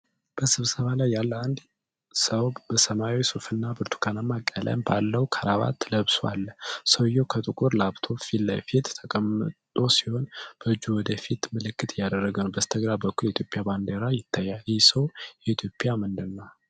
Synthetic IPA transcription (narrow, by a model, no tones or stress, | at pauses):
b̥əsɨβsəβalajːalːəand̪ | səwbəsəmawisofɨnːabɨɾt̪ʰu̥kʰanamakʼːəlʔə̰mbalːəwkʰəɾaβa̰t̪ʰːləβswa̰lːsəwjːowkʰət̪ʼɨkʼuɾlaβt̪ʰo̞filːəfit̪t̪ʰːəkʼəmːɨt̪ʼo̞siho̞nb̥əɨd͡ʒːuwɔd̪əfit̪mɨlɨkːɨt̪ʰjːad̪ərːəɡənbəst̪ʰəɡɾabəkːuljɛit̪ʰjo̞pʼjaband̪eɾajɪt̪ʰːajːaljɛsəwjɛit̪ʰjo̞pʼjamɨnd̪ɨnːa